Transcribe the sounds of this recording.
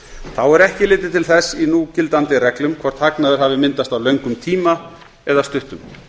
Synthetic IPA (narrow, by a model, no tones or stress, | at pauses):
θawɛɾɛhcɪlɪːt̪ɪt̪ʰɪlθɛsːinucɪlt̪ant̪ɪrɛklʏmkʰvɔɾ̥t̪ʰaknaðʏɾ̥havɪmɪnt̪ast̪awlœɥŋkʏmt̪ʰiːma | ɛðast̪ʏht̪ʏm